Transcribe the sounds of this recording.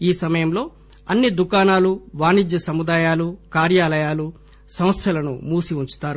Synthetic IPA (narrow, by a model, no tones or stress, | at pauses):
iːsɐmɐjɐmlo̞ː | ɐnːid̪ukaːnaːluʋaːnid͡ʒjɐsɐmud̪aːjaːlukaːɾjaːlɐjaːlu | sɐm̃ɐst̪ʰɐlɐnṵmuːsiuɲt͡ʃu̥t̪aːɾu